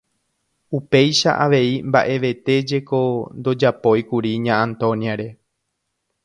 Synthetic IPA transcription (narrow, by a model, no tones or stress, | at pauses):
upe̞jʃa̰ʔaʋe̞imba̰ʔe̞ʋe̞t̪e̞d͡ʒe̞ko̞nd̪o̞d͡ʒapo̞jkuɾiɲããnt̪õ̞njaɾe̞